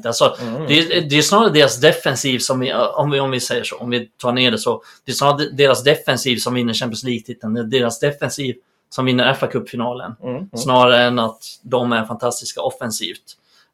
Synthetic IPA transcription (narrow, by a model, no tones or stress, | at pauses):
t̪alsɔd̪ɛd̪ɛɛsnɑːɾaɾad̪eːɾasd̪ɛfɛnsiːvsɔmɪɔmvɪɔmvɪsɛjːəʂo̰ːɔmvɪt̪ʰɑːɳeːɖɛsɔ | d̪̥ɛɛsnɑːɾad̪eːɾasd̪ɛfɛnsiːvsɔmvɪnːəɕɛmp̬jənsliːɡ̚t̪ʰɪt̪ːənd̪ɛd̪eːɾasd̪ɛfɛnsiːv | sɔmvɪnːəɾɛfːakʰɵpːfɪnɑːlə̰nsnɑːaɾaɛnat̪d̪ɔmæɾfant̪ʰast̪ɪskaɔfɛnsḭːft̪